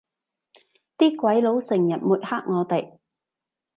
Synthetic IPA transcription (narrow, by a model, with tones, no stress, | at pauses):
t̪iː˥kwɐ˨˥jlo˨˧˥wsɪ˨˩ŋjɐ˨˩t̚muː˨t̚haː˥k̚ŋɔː˨˧t̪e˨j